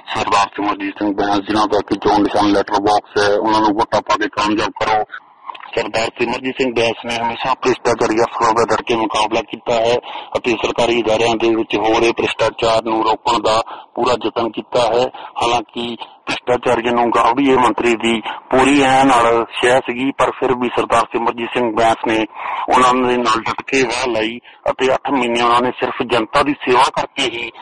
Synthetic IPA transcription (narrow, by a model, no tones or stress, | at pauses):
səɾd̪aːɾt̪iməɾd͡ʒiːsɪ̃ŋɡ̚bɛ̃ːsd͡ʒɪnãːt̪əkɪt͡ʃoːnɖɪsaːnlɛːʈəɾbɔːksɦɛːʊnãːnũːbəʈːaːpaːɡeːkaːmjaːb̚kəɾoː | səɾd̪aːɾt̪ɾiːməɾd͡ʒiːsɪ̃ŋɡ̚bɛ̃ːsneːɦəmeːʃaːpɾɪsʈaːt͡ʃaːɾɪjaːsəlaːbad̪əɽkeːmʊkaːblaːkiːt̪aːɦɛːət̪eːsəɾkaːɾiːɪd̪aːɾɪjãːd̪eːʋɪt͡ʃɦoːɾeːpəɾɪsʈaːt͡ʃaːɾnũːɾoːkəɳd̪aːpuːɾaːd͡ʒət̪ənkiːt̪aːɦɛːhaːlãːkɪpɾɪsʈaːt͡ʃaːɾɪjãːnũːɡaːʋɽiːeːmənt̪ɾiːd̪iːpuːɾiːɛːnaːlʃɛːsɪɡiːpəɾpʰɪɾbiːsəɾd̪aːɾseməɾd͡ʒiːsɪ̃ŋɡ̚bɛ̃ːsneːʊ̰nãːd̪eːnaːlɖəʈkeːʋaːlaːiːə̰t̪eːəʈʰmɪnːeːʊnãːneːsɪɾpʰd͡ʒənt̪aːd̪iːseːʋaːkəɾkeːɦiː